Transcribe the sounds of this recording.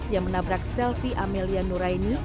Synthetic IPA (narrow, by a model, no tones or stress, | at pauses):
sjaŋmənabɾaksɛlfiʔamelianuɾajni